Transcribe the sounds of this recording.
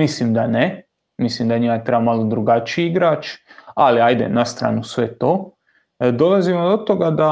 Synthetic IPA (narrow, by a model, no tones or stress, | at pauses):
mislimd̪ane | mislimd̪aɲimat̪ɾebamalod̪ɾuɡat͡ʃiiɡɾaːt͡ʃaliajd̪e̞̰nast̪ɾa̰ːnusʋe̞t̪oː | d̪o̞lazimod̪o̞t̪oɡad̪a